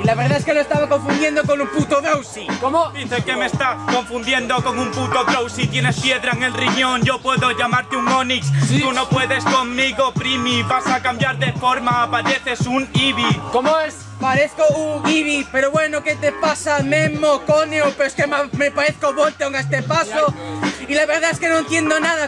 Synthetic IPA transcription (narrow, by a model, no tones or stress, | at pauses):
ilaβeɾðaeskeloest̪aβakõ̞ɱfund̪je̞nd̪okonumput̪oðɾowsikomod̪iθekemest̪ako̞ɱfund̪je̞nd̪oko̞ŋumput̪oðɾowsit̪je̞nespje̞ðɾaeŋe̞lriɲõŋʝo̞pwe̞ðo̞ʝamaɾt̪euŋmõnikst̪uno̞pwe̞ðe̞sko̞ŋmiɣopɾimipasaːkambjaɾðefo̞ɾmaːpaðeθe̞suŋiβikomoes | paɾeθkouŋiβipe̞ɾoβwe̞noket̪epasamemokoneopeɾoeskemamepaɾeθkoβolt̪eoŋest̪epasoilaβe̞ɾðaeske̞noent̪je̞nd̪onaða